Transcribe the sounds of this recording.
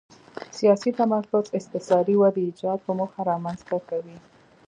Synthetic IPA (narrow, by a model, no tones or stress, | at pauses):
sijɑsit̪amaɾfʊzɪxt̪ɪsɑɾiwad̪iːd͡ʒɑd̪̚pəmuxaɾɑmanzt̪akawi